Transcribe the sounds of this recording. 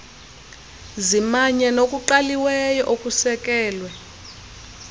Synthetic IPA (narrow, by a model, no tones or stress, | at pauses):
zimaɲɛnokʼuǃaliwɛjɔʔokʼusɛk̬ʼɛːlwɛ